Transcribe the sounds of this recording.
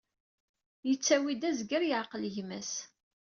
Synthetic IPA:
jət͡sːæwid̪æzɡəɾjəʕqəlʝmæs

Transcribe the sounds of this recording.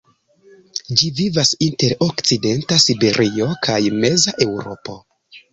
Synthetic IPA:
d͡ʒivivasinte̞ɾokt͡side̞ntasibe̞ɾʔio̞kʰajme̞zaʔe̞wɾo̞̰po̞

